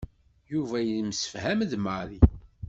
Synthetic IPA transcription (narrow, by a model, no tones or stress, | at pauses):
juvæjəlmsə̥fhæmðmaɾi